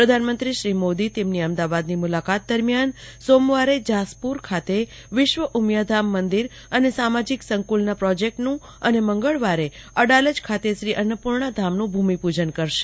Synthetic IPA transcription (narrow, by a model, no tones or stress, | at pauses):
pɾəd̪ʱanmənt̪ɾiʃɾimod̪it̪emniəmd̪aʋad̪nimulakat̪̚d̪əɾmjansomʋaɾed͡ʒaspuɾkʰat̪e | ʋɪʃʋəʔumjad̪ʱamːənd̪iɾ | ənesamad͡ʒiksəŋkulnapɾɔd͡ʒek̚ʈnũ | əneməŋɡəɭʋaɾeəɽaləd͡ʒkʰat̪eʃɾiʔənəpuɾɳad̪ʱamnũbʱumipud͡ʒənkəɾʃe̥